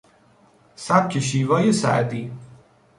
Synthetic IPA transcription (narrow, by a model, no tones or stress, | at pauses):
sæb̚cʰeʃ̬iːvɒːjesæ̰ʔd̪iː